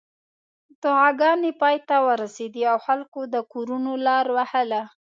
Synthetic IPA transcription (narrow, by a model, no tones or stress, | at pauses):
t̪ʊhɑɡɑnepɑjt̪awəɾased̪iawxalkod̪əkoɾunolɑɾwahəla